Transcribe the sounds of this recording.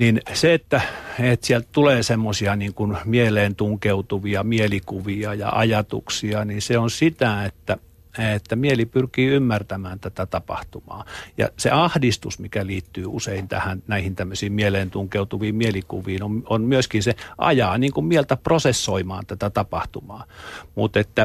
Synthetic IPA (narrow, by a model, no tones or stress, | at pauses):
ninseet̪ːæet̪sielt̪t̪uleːsemːosiɑniːŋkunmieleːnt̪uŋkeut̪uʋiɑmielikuʋiɑjɑ̰ʔɑ̰jɑt̪ṵksiɑninseonsit̪æet̪ːæ | et̪ːæmielipyrkiːymːært̪æmæːnt̪æt̪æt̪ɑpɑ̰ht̪umɑ̰ːjɑ̰sḛɑhdist̪usmikæliːt̪ːyːuseint̪æ̰hænnæihint̪æmːøsiːmmieleːnt̪uŋkeut̪uʋiːmmielikṵʋiːnomonmyøskinseʔɑ̰jɑːniːŋkummielt̪æprosesːoimɑːnt̪æt̪æt̪ɑpɑht̪umɑːmṵt̪et̪ːæ